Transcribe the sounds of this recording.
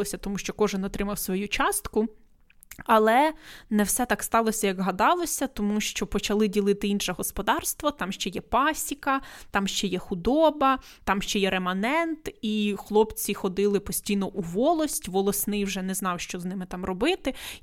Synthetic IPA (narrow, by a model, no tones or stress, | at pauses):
ɔsʲɐt̪ɔmuʃt͡ʃɔkɔʒɪnɔt̪ɾɪmɐwsʋɔjut͡ʃɑst̪kʊ | ɐlˠɛnɛwsɛt̪ɑkst̪ɑlˠɔsʲɐjɐɡɦɐd̪ɑlˠɔsʲɐt̪ɔmuʃt͡ʃɔpɔt͡ʃɐlˠɪdʲilˠɪt̪ɪinʃɛɦɔspɔd̪ɑrst̪ʋɔt̪ɑmʃt͡ʃɛjɛpɑsʲikɐt̪ɑmʃt͡ʃɛjɛxʊd̪ɔbɐ | t̪ɑmʃt͡ʃɛjɛɾemɐnɛnt̪ixlˠɔpt͡sʲixɔd̪ɪlˠɪpɔsʲtʲijnɔʔuʋɔlˠɔsʲtʲʋɔlˠɔsnɪjwʒɛnɛznɑwʃt͡ʃɔznɪmɪt̪ɑmrɔbɪt̪ɪ